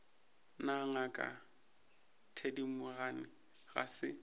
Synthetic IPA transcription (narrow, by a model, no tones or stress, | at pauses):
naŋakʼa̰ | tʰedimʊɣanɪ | ɣa̰sɪ̰